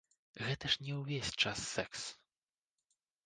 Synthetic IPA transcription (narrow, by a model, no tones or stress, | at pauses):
ɣɛt̪ɐʂnʲɛwvʲesʲt͡ʂasːɛks